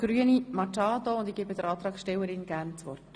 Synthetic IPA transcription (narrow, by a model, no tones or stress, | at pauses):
ɡ̥ɾyənimɑtɑːt̪oʊnd̪iɡ̥ebəd̥̪əɾɑːt̪ɾɑːkʃtɛwəɾɪnɡ̥æɾnt͡sʋɔ̰rt